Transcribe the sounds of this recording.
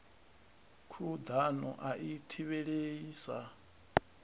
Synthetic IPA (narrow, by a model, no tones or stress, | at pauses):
kʰud̪anɔ̰ʔaʔitʰiβɛɺeiːsa